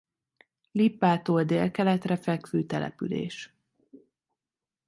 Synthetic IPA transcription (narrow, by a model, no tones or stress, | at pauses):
lipːaːt̪oːld̪eːlkɛlɛt̪rɛfɛkʋøːt̪ɛlɛ̰pylḛːʃ